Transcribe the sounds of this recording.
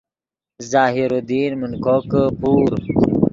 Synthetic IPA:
zaːɦiɾod̪iːnmunkokəpʰuːɾ

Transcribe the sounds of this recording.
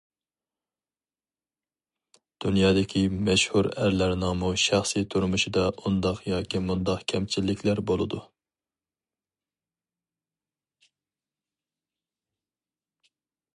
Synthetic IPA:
d̪̥unjɑːd̪ɪkʲʰimɛʃhuɾæɾlæɾnɑŋmuʃæχsijt̪ʰuɾmuʃid̪ɑʔund̪ɑqjɑːkʲʰimund̪ɑqkʲʰɛmt͡ʃʰilːɪkʲʰlæɾbolˠɨd̪u

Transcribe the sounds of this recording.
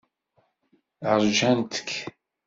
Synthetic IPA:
ʕɾˤd͡ʒænt̪ə̥kː

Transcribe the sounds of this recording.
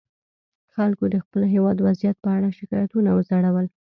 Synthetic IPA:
xalkod̪əxpəlɦewɑd̪wazijat̪̚pəaɽaʃɪkɑjat̪unawəzaɽawəl

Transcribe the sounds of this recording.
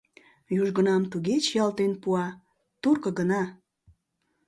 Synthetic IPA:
juʒɡənɑmt̪uɣet͡ɕjɑlt̪enpuɑ | t̪urkə̆ɡənɑ

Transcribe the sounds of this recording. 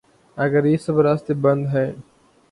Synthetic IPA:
ɐɡəɾiːsəbəɾast̪ebɐ̃nd̪ɦɛː

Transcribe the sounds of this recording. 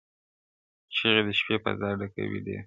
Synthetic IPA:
t͡ʃiɣed̪əʃpepa̰zɑɖaka̰wḭd̪ḭ

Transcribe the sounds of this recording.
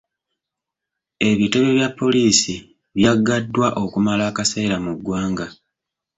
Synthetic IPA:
e̞βiteβeβjapːo̞liːsi | βjaɡːadːwaʔo̞kumalaːkase̞ːɾamuɡːwaːŋɡa

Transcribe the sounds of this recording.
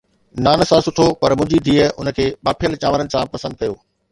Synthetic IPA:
naːnsãsʊʈʰopɐɾmʊ̃ːd͡ʑid̪ʱiːəʊ̰nə̆kʰeːɓaːpʰijəlt͡ɕaːʋəɾənɪ̆sãpɐsə̃nd̪̚kɐjoː

